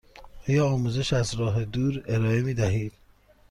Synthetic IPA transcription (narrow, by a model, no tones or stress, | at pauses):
ɔːjɒːɒːmuːze̞ʃæzɾɒːɦed̪uːɾe̞ɾɒːe̞miːd̪æɦiːd̪̥